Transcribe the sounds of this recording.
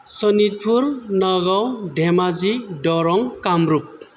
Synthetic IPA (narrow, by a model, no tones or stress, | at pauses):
sɔnit̚pʰuɾnɔɡawɖʱɛmazidɔɾɔŋkamɾup̚